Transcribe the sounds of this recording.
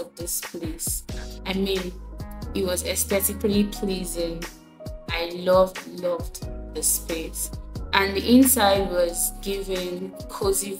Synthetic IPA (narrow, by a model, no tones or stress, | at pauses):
vðɪspʰlesaɪmĩnit̚wɔzɛspɛsɪklipʰlizɪ̃ŋ | aɪlʌvlʌvdðəspesʔə̃ndiʔɪ̃nsaɪd̚wɔzɡɪvɪ̃ŋkʰozi